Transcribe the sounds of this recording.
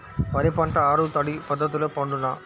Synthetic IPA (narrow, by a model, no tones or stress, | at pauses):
ʋɐɾɐpaːɳʈɐaːɾɯt̪ɐɽipɐðɐt̪ːɯlɐpoːɳɖɯnaː